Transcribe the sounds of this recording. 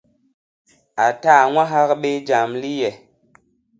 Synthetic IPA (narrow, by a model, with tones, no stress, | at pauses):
a˨ta˦˨ŋʷwa˦ɦa˦k̚ɓe˦d͡ʒa˨mli˦jɛ˨